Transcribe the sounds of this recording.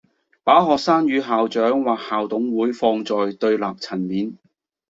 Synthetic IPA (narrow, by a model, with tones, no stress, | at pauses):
paː˨˥ɦɔː˨k̚saː˥njyː˨˧ɦaː˨wt͡ʃœː˨˥ŋwaː˨˩k̚haː˨wt̪ʊ˨˥ŋwuː˨˥jfɔː˧ŋt͡sɔː˨jt̪ɵ˧ɥlaː˨˩k̚t͡sʰɐ˨˩nmiː˨˥n